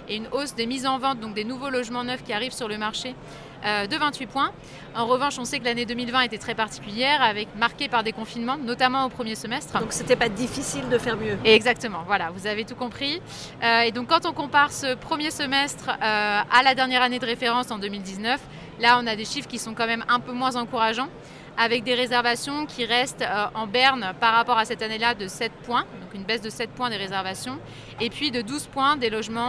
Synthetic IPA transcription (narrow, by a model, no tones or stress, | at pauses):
eynosd̪emizɑ̃vɑ̃t̪̚d̪ɔ̃k̚d̪enuvolɔʒmɑ̃nœfkʲiaʁivsyʁləmaʁʃe | ød̪əvɛ̃t̪ɥipwɛ̃ | ɑ̃ʁəvɑ̃ʃɔ̃sɛkəlaned̪əmilvɛ̃et̪ɛt̪χɛpaʁt̪i̥kʲyljɛʁavɛkmaʁkʲepaʁd̪ekɔ̃finmɑ̃nɔt̪amɑ̃opχəmjesəmɛst̪χd̪ɔ̃kset̪ɛpad̪ifisild̪əfɛʁmjøɛɡzak̚t̪əmɑ̃vwalavuzavet̪ukɔ̃pχi | øed̪ɔ̃kːɑ̃t̪ɔ̃kɔ̃paʁsəpχəmjesəmɛst̪χøalad̪ɛʁnjɛʁaned̪əʁefeʁɑ̃sɑ̃d̪ømild̪iznœf | laɔ̃nad̪eʃifχkʲisɔ̃kɑ̃mɛmɛ̃pømwɛ̃zɑ̃kuʁaʒɑ̃ | avɛk̚d̪eʁezɛʁvasjɔ̃kʲʰiʁɛst̪øʔɑ̃bɛʁnpaʁːapɔʁasɛt̪anelad̪əsɛt̪̚pwɛ̃d̪ɔ̃kynbɛsd̪əsɛt̪̚pwɛ̃d̪əʁezɛʁvasjɔ̃ | epɥid̪əd̪uzpwɛ̃d̪elɔʒmɑ̃